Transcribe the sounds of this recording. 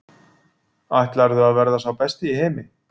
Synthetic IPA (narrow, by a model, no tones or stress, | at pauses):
ajht̪laɾðʏaðvɛɾðasawpɛst̪ɪiheːjmɪ